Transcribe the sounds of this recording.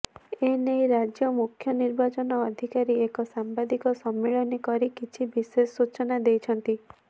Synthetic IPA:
enejɾad͡ʒjɔmukʰjɔniɾbat͡ʃɔnɔːd̪ʱikaɾiekɔsambad̪ikɔsɔmːiɭɔnikɔɾikit͡ʃʰibisesut͡ʃɔnad̪ejt͡ʃʰɔnt̪i

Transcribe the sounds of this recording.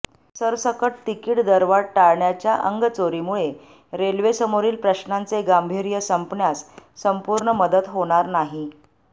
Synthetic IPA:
səɾsəkəʈ̚t̪ikiːʈd̪əɾʋaɽʈaɭɳjat͡ɕjaʔəŋɡt͡soɾimuɭe | ɾelʋesəmoɾiːlpɾəɕnant͡seɡambʱiɾjəsəmpnjasːəmpuɾɳəməd̪ət̪ɦoɽ̃aɾnaɦi

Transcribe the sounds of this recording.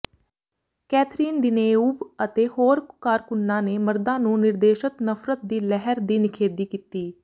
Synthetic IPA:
kɛːt̪ʰɾiːnd̪ɪneːuːʋət̪eːhoːɾkaːɾkʊnːaːneːməɾd̪ãːnũːnɪɾd̪eːʃət̪nəfʰɾət̪̚d̪iːlɛɦəɾd̪iːnɪkʰeːd̪iːkit̪iː

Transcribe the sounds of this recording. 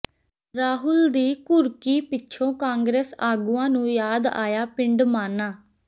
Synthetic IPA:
ɾaːɦʊld̪iːkʊɾkiːpɪtːʃʰõːkãːŋɡɾeːsaːɡuːãːnũːjaːd̪a̰ːjaːpɪ̃ɳɖmaːnaː

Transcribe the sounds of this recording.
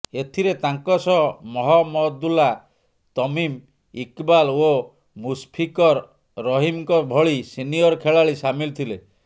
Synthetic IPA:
et̪ʰiɾet̪aŋkɔsɔmɔɦɔmɔd̪ula | t̪ɔmim | ikbalo | muspʰikɔɾː | ɔɦimkɔbʱɔɭisinijɔɾkʰeɭaɭisamilt̪ʰile

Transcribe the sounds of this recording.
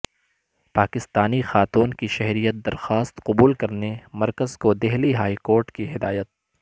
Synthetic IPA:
paːkɪst̪aːnixaːt̪uːnkiʃɛɦɾijət̪̚d̪ɐɾxaːst̪qʊbuːlkɐɾnemɐɾkəzkod̪ɛɦliɦaːikoːɾʈkiɦɪd̪aːjət̪̚

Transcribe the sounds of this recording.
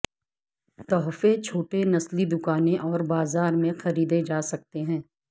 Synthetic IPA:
t̪ɔːɦfet͡ʃʰoːʈenɐslid̪ʊkaːnẽʔɔːɾbaːzaːɾmẽxɐɾiːd̪ed͡ʒaːsɐk̚t̪eɦɛ̃ː

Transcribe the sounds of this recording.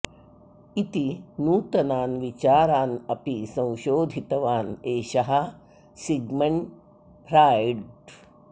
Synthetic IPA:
it̪inuːt̪ɐnaːnʋit͡ʃaːɾaːnɐpisɐ̃w̃ʃoːd̪ʱit̪ɐʋaːneːʃɐɦɐ | siɡmɐɳ | pɾaːjɖ

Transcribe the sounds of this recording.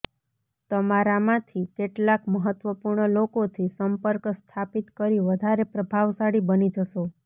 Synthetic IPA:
t̪əmaɾamãt̪ʰikeʈlakməɦət̪ʋəpuɾɳəlokot̪ʰisəmpəɾkst̪ʰapit̪kəɾiʋəd̪ʱaɾepɾəbʱaʋsaɽibənid͡ʒəʃo

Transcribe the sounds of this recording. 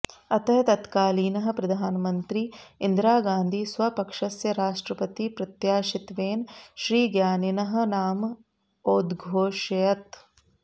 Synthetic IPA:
ɐt̪ɐɦɐt̪ɐt̪kaːliːnɐɦɐ̆pɾɐd̪ʱaːnɐmɐnt̪ɾiɪnd̪ɾaːɡãːnd̪ʱiːsʋɐpɐkʂɐsjɐɾaːʃʈɾɐpɐt̪ipɾɐt̪jaːʃɪt̪ʋeːnʃɾiːɡjaːninɐɦɐ̆naːm | oːd̪ɡʱoːʃɐjɐt̪

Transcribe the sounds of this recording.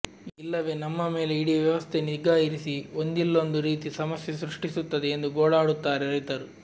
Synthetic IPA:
ilːɐʋeːnɐmːɐme̞ːleiɽiːʋjɐʋɐst̪ʰe̞niɡaːjiɾisiond̪ilːo̞nd̪uɾiːt̪isɐmɐsjɐsɾuʂʈisut̪ːɐd̪eend̪uɡoːɭaːɽut̪ːaːɾeɾijt̪ɐɾu

